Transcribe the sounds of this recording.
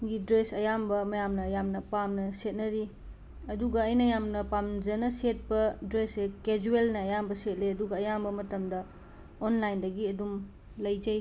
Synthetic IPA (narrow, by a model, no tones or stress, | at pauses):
ɡidɾesɐjambɐmɐjamnɐjamnɐpamnɐset̚nɐɾi | ɐduɡɐːjnɐjamnɐpamd͡ʒɐnɐset̚pɐdɾeseked͡ʒuelnɐːjambɐset̚leɐduɡɐːjambɐmɐtɐmdɐ | onlajndɐɡiɐdum | lɐjzɐj